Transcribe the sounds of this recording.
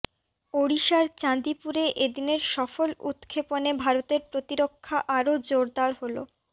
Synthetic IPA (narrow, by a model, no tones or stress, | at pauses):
oɽiʃaɾt͡ɕãnd̪ipuɾeʔed̪ineɾʃɔfolṵt̪kʰeponebʱaɾot̪eɾpɾot̪iɾokʰːaʔaɾod͡ʑoɾd̪aɾɦolo